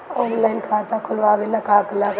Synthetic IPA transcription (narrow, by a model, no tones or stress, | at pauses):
oːnlajnkʰaːt̪akʰʊlʋaːbilːakaːklak